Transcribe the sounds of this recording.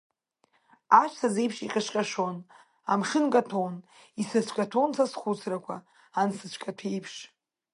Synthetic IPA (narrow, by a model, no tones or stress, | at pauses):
aʃʷsʰaze̞jpʰʂiqʲʼɪʂqʲʼaʂo̞n | a̰mχʲɪnkʼatʰon | isɨt͡ɕʷʰkʼatʰonsʰasχʷut͡sʰrakʷʰaː | nsɨt͡ɕʷʰkʼatʰejpʰʂ